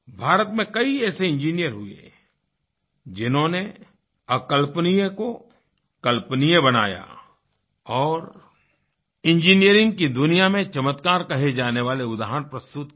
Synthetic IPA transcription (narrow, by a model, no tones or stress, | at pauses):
bʱaːɾət̪mẽkɐiɛːseɪ̃nd͡ʒiːnijəɾɦʊḛ | d͡ʒɪnɦõne | ɐkəlpnijẽko | kɐlpnijẽbɐna̰ːja̰ | ɔːɾ | ɪ̃ɲd͡ʒiːnijəɾɪ̃ŋɡ̚kid̪ʊnijamẽt͡ʃɐmət̪kaːɾkɐɦed͡ʒaːneʋaːleʊd̪aːɦənpɾɐst̪ʊt̪